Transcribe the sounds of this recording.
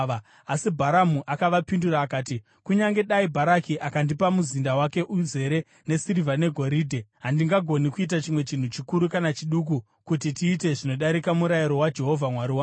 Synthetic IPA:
a | asibʱaɾamuʔakaʋapinduɾaːkaːti | kuɲaŋɡe̞ɗaibʱaɾakiʔakandipamuzindawake̞ʔuze̞ɾe̞ | ne̞siɾivane̞ɡʱo̞ɾiːdʱe̞ɦandiŋɡaɡʱo̞nikuit̬at͡ʃimwe̞t͡ʃin̤ut͡ʃikuɾukanat͡ʃiɗuk̬u | kutitiːte̞ʐino̞ɗaɾikamuɾajiɾo̞wad͡ʒe̞ɦo̞vʱamwaɾiwa

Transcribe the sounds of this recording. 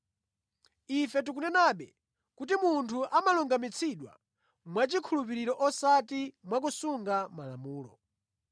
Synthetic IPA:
ifɛt̬ukunɛnaːɓɛ | kut̬imuntʰuʔamaluŋɡamit͡sʰiɗwa̰ | mwat͡ʃikʰulupiɾiɾɔʔɔsatimwak̬usuŋɡamala̰muːlɔ̰

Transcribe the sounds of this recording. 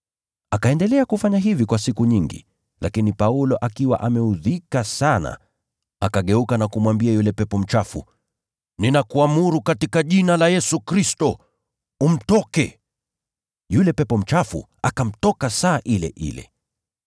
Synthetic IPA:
akaɛndɛlɛakufaɲaɦivikwasikuɲiŋɡḭ | lʔakinipaulɔʔakiwa̰ʔamɛuðikasana̰ | akaɠɛukanakumwambiajulɛpɛpɔm̩t͡ʃafṵ | ninakuamuɾukatikaʄinalajɛsukɾistɔ | um̩tɔkɛ | julɛpɛpɔm̩t͡ʃafṵ | akam̩tɔkasaːʔilɛ̰ʔḭlɛ̰

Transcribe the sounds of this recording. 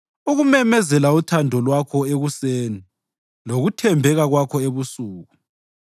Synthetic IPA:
uɣumɛmɛzɛlautʰandʱɔlwakʰɔeɣuseːni | loɣutʰɛmbʱɛɣaɣwakʰɔeβusuːɣu

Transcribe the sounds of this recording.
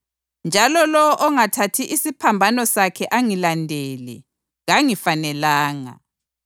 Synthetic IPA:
nd͡ʒʱalɔlɔwɔʔɔŋatʰatʰiʔisipʰambʱanɔsakʰɛʔaŋilandʱɛlɛ̰ | ɣaŋifanɛlaːŋa̰

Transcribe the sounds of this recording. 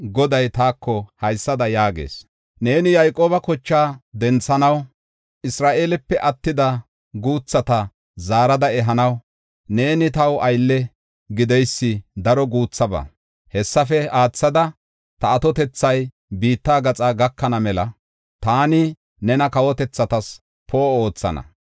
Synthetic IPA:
ɡɔd̪ɐjt̪aːkʰːɔhɐjsːɐd̪ɐjaːɡḛːs | neːnɪjɐjkʼoːbɐkɔt͡ʃːaːd̪ɛnt͡sːɐnɐw | ʔɪsɾaːʔeːlɛpːɛʔɐt̪ːɪd̪ɐ | ɡuːt͡sːɐt̪ɐ | zaːɾɐd̪ɐɛɦɐnɐw | ne̞ːnɪt̪ɐwɐjlːɛ | ɡɪd̪ɛjsːɪd̪ɐɾɔɡuːt͡sːɐbɐ̰ | hɛsːɐfɛaːt͡sːɐd̪ɐ | t̪ɐːt̪ɔt̪ɛt͡sːɐj | biːt̪ːaːɡɐt͡sʼaːɡɐkːɐnɐmɛlɐ | t̪aːnɪ | nɛnɐkɐwɔt̪ɛt͡sːɐt̪ɐs | pʰoːo̞ːt͡sːɐ̰nɐ̰

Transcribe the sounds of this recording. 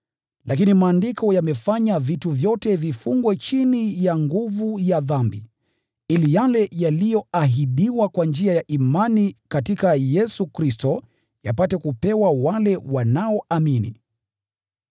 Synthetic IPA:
lʔakinimaːndikɔjamɛfaɲavituvjɔtɛvifuŋɡwɛt͡ʃinijaŋɡuvujaðambi | ilijalɛjalijɔaɦiɗiwakwand͡ʒiajaʔimanikatikajɛsukɾistɔ | japatɛkupɛwawalɛwanaɔaminḭ

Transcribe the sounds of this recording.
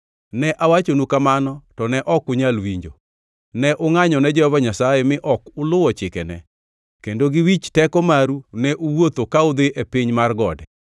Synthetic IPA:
nɛʔawat͡ʃonukamanɔtɔnɛʔɔkʊɲalwiɲd͡ʒo̰ | nɛʔʊŋaɲɔnɛd͡ʒɛhɔvaɲasajɛmɪʔɔkʊlʊwɔt͡ʃɪkɛnɛ̰ | kendoɡɪwit͡ʃtɛkɔmaɾunɛʔuwot̪okaʊd̪ɪʔepiɲmarɡɔdɛ

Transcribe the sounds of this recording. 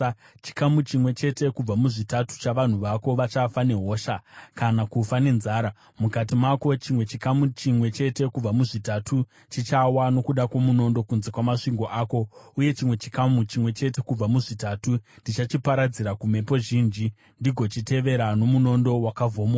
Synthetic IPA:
t͡ʃi̥kamut͡ʃimwe̞t͡ʃe̞te̞kub͡vamuʐitatu̥t͡ʃaʋan̤uʋako̞ʋat͡ʃafane̞ɦo̞ːʃakanakufane̞nzaːɾa | mukat̬imako̞t͡ʃimwe̞t͡ʃikamut͡ʃimwe̞t͡ʃe̞te̞kub͡vamuʐitatʰu | t͡ʃit͡ʃawano̞kuɗakwomuno̞ndo̞kunze̞kwamaʂiŋɡo̞ʔaːko̞uje̞t͡ʃimwe̞t͡ʃi̥kamut͡ʃimwe̞t͡ʃe̞te̞kub͡vamuʐitatundit͡ʃat͡ʃipaɾad͡ziɾakume̞po̞ʒiːnd͡ʒi | ndiɡʱo̞t͡ʃite̞ʋe̞ɾano̞muno̞ndo̞wakavʱoːmo

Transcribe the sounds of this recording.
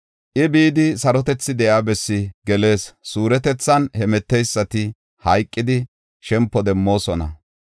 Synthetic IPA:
ʔɪbiːd̪ɪsɐɾɔt̪ɛt͡sːɪd̪ɛjaːbɛsːɪɡɛle̞ːssuːɾɛt̪ɛt͡sːɐnhɛmɛt̪ːɛjsːɐt̪ɪ | hɐjkʼːɪd̪ɪ | ʃɛmpːɔd̪ɛmːo̞ːsɔnɐ̰

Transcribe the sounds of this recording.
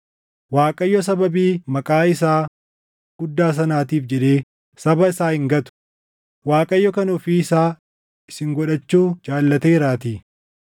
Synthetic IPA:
waːkʼɐjːɔs̬ɐbɐbiːmɐkʼaːɪsaː | ɡ̥ʊd̪ːaːs̬ɐnaːt̪iːfd͡ʒɛᶑeː | sɐbɐɪsaːhɪŋɡɐt̪ʊ̥ | waːkʼɐjːɔkɐnʊfiɪsaː | ɪsɪŋɡɔᶑɐt͡ʃːuːd͡ʒaːlːɐt̪eɪɾaːt̪iː

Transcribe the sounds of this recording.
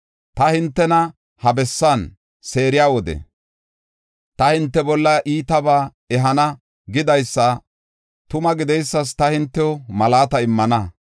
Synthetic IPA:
t̪ɐhɪnt̪ːɛnɐ | hɐbɛsːan | se̞ːɾɪjaːwɔd̪ɛ̰ | t̪ɐhɪnt̪ːɛbɔlːɐʔiːt̪ɐbaː | ɛɦɐnɐ | ɡɪd̪ɐjsːɐ | t̪ʊmɐɡɪd̪ɛjsːɐs̬t̪ɐhɪnt̪ːɛɔmɐlaːt̪ɐɪmːɐnɐ

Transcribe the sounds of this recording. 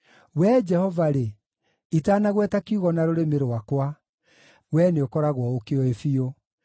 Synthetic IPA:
wɛd͡ʒɛhɔvaɾe | itaːnaɣwɛtakiuɣɔnaɾoɾemeɾowakwa | wɛneokɔɾaɣwɔokeɔefio

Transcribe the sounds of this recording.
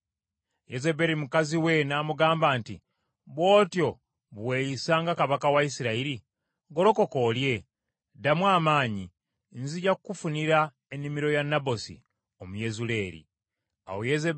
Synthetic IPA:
jezebe̞ɾimukaziwe̞naːmuɡaːmbaːnti | βwo̞ːtjo̞ | βwejisaːŋɡakaβakawaisiɾaiɾi | ɡo̞ɾo̞ko̞ko̞lje̞ | damwaːmaːɲi | nziɟakukufuniɾa | e̞nːimiɾo̞janːabo̞sḭ | o̞muje̞zule̞ːɾḭ | a̰wojeze

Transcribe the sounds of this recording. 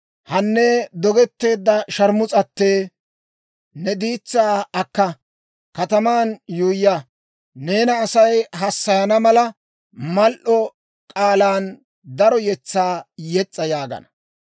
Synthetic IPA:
hɐnːed̪ɔɡɛt̪ːe̞ːd̪ːɐʃɐɾmʊt͡sʼɐt̪ːeː | nɛd̪iːt͡sːaːɐkːɐ | kɐt̪ɐmaːnjuːjːɐ | ne̞ːnɐːsɐjɦɐsːɐjɐnɐmɐlɐ | mɐlʔɔ | kʼaːlaːn | d̪ɐɾɔjɛt͡sːaːjɛt͡sʼːɐjaːɡɐ̰nɐ

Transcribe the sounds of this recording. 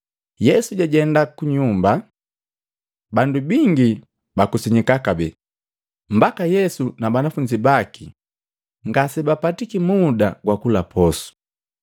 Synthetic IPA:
jɛsuɟaɟɛndakuɲumba | bandubiŋɡi | bakusiɲikakabɛ | m̩bakajɛsunabanafuɲd͡ʒibaki | ŋɡasɛbapatikimudaɡwakulapʰɔsu̥

